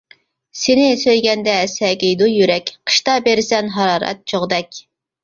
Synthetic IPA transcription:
senɪsøjɡʲɛnd̪ɛsɛɡʲejd̪ujyɾɛkʲqʰə̥ʃt̪ɑbeɾɪsɛnɦɑɾɑːɾɛ̰t̪̚t͡ʃʰoʁd̪ɛkʲ

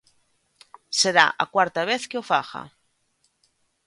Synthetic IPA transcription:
seɾa̰ʔa̰kwaɾt̪aβ̞eθkeofaxa̰

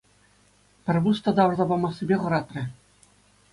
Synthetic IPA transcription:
pʲɘ̆rʲβust̪ɑd̪ɑwrd̪ɑbɑmɑχsʲĭbʲeʁɤ̆ɾɑt̪rʲɘ̆

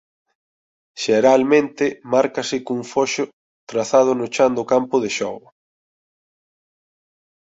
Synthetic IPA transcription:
ʃeɾalmẽnt̪ɪmaɾkɐsɪkuŋfoʃʊ | t̪ɾaθað̞ʊnʊt͡ʃand̪ʊkampʊðɪʃɔɣʊ

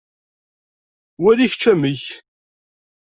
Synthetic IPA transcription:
wæliçt͡ʃːæməç

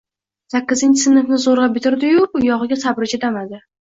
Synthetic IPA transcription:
sakʲːɪzɪnʲt͡ʃʰɪsɪnɨfnɪzoɾʁabɪt̪ʰɪɾd̪ɪjʊʊjɒʁɨɡʲasabɾɪt͡ʃʰad̪amad̪ɪ

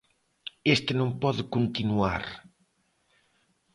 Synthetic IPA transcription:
est̪ɪnõmpɔðɪkunt̪inua̰ɾ

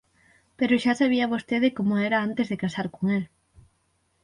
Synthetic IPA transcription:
peɾʊʃasaβ̞iaβost̪eðɪkomoɛɾɐant̪ezðekasaɾkoŋel

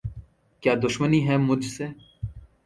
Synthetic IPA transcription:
kjaːd̪ʊʃməniɦɛ̃ːmʊd͡ʒʱse

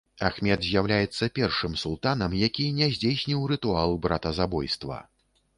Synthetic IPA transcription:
axmʲɛd̪zʲjawlʲajɛt̪sːɐpʲɛrʂɨmsulˠt̪anɐmjakʲinʲɛzʲd͡zʲejsʲnʲiwɾɨt̪ualˠbɾat̪ɐzabɔjst̪vɐ̰

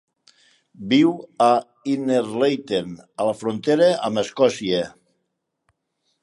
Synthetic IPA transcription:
biwa | ineɾlejt̪enaləfɾont̪eɾeaməskɔsie

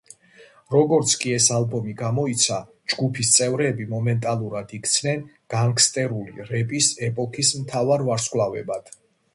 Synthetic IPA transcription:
ɾɔɡɔɾt̪sʰkʼiɛsalˠbɔmiɡamɔit̪sʰa | d͡ʒɡupʰist̪sʼɛvɾɛːbimɔmɛnt̪ʼalˠuɾad̪̥ikʰt̪sʰnɛn | ɡ̥aŋkʰst̪ʼɛɾulḭɾɛpʼisɛpʼɔkʰismt̪ʰavaɾvaɾskʼlˠavɛbad̪̥

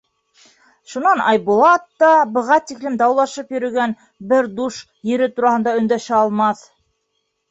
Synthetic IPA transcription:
ʃunɑnɑ̰jbulˠɑt̪ːɑbɤ̆ʁɑt̪iklɘmd̪ɑwlˠɑʃɤpjɵ̆ɾɵ̆ɡæn | bɘɾd̪uʃ | jɘ̆ɾɘt̪uɾɑhɤ̆nd̪ɑɵ̆nd̪æʃæɑlˠmɑθ

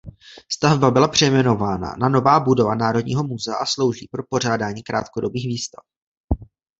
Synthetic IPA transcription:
st̪avbabɪlapr̝̥ɛjmɛno̞vaːna̰nano̞vaːbudo̞vanaːɾo̞dɲiːɦo̞muzɛa̰ʔaslo̞wʒiːpɾo̞po̞r̝aːdaːɲiːkɾa̰ːt̪kodo̞biːxviːst̪a̰f

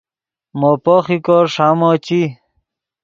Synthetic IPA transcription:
mopoχikoɾʂaːmot͡ɕi

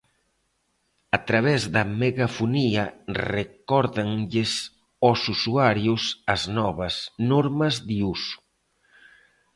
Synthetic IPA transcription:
ɐt̪ɾaβ̞ɛzðɐmeɣafuniɐrekɔɾðaŋʎes | osusuaɾjusɐznɔβɐsnoɾmɐzðiusu̥

